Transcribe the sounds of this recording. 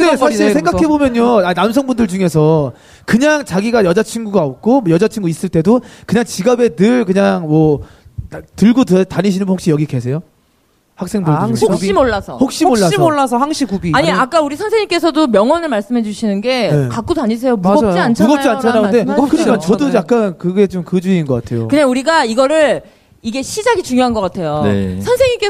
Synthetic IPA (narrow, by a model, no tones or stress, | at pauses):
ɯdesʰaisʰe̞ɡakʰe̞bomjʌɲːoanamsʰʌŋbundɯɭd͡ʑuŋe̞sʰʌ | kɯɲaŋt͡ɕaɡiɡajʌd͡ʑat͡ɕʰinɡuɡaop̚k͈omʌjʌd͡ʑat͡ɕʰiŋɡuis͈ɯɭt͈e̞dokɯɲaŋt͡ɕiɡabe̞nɯɭkɯɲaŋmʌ | tɯɭɡottaɲiɕʰinɯnbhokɕ͈ijʌɡike̞sʰejo | hak̚s͈e̞ŋboɭŋokimoɭːasʰʌhok̚ɕ͈imoːasmoɭːasʰʌhaŋɕʰikubiaɲiak͈auɾisʰʌnsʰeŋɲiŋk͈e̞sʰʌdomjʌŋwʌnɯɭmaɭs͈ɯmɦe̞d͡ʑuɕʰinɯnɡe̞jekak͈̚otaɲis̬ʰe̞jomuʌjt͡ɕiant͡ɕʰauɡʌp̚t͡ɕ͈iant͡ɕʰanannde̞kɯikant͡ɕʌdojak̚k͈ankɯɡe̞t͡ɕomkɯd͡ʑuiːnɡʌk͈atʰe̞jo̰kɯɲaŋuɾiɡaiɡʌɾɯɭ | iɡe̞ɕʰid͡ʑaɡit͡ɕuŋjoɦanɡʌk͈atʰe̞jonesʰʌnsʰe̞ŋɲik͈e